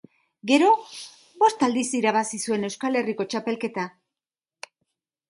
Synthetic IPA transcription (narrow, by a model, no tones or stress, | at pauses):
ɡe̞ɾo̞ | bo̞st̪ald̪isiɾaβ̞asisue̞ne̞wskale̞riko̞t͡ʃape̞lke̞t̪a